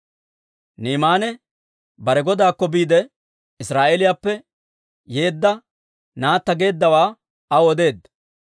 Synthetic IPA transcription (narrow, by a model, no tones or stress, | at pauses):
niːmaːnɛ | bɐɾɛɡɔd̪aːkːɔbiːd̪ɛ | ɪsɾaːʔɛlɪjaːpːɛ | je̞ːd̪ːɐ | naːt̪ːɐɡe̞ːd̪ːɐwaː | ɐwɔd̪e̞ːd̪ː